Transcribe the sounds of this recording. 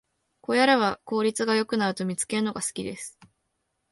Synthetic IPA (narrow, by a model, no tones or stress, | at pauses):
ko̞jaɾaβako̞ːɾʲit͡sɨɡajo̞kɯ̟naɾɯ̟t̪o̞mʲit͡sɨ̥ke̞ɾɯ̟no̞ɡasɨ̥kʲid̪esɨ̥